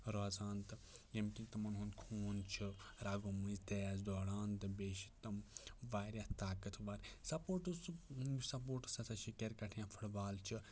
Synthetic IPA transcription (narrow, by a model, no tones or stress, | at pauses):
ɾɔːzaːnt̪ɨjɐmkʲint̪ɐmɐnɦund̪kʰoːnt͡ʃʰiɾaːɡomuzt̪ejaːzd̪ɔːɽaːnt̪ɨbeːʃi̥t̪ɐmʋaːɾʲjat̪aːkɐt̪ʰʋaɾsɐpoːɾʈɨssɐp̬oːɾʈɨ̥sɐsɐʃikʲɐɾkɐʈʰjãːfʰɐɽbaːlt͡ʃʰi